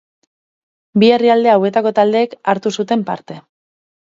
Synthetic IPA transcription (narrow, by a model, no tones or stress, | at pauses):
bie̞riald̪e̞awe̞t̪ako̞t̪ald̪e̞ːkaɾt̪usut̪e̞mpa̰ɾt̪e̞